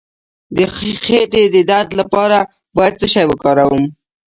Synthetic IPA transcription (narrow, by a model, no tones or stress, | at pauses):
d̪əxeʈed̪əd̪aɾd̪lapɑɾa | bɑjad̪̚t͡səʃajwəkɑɾawəm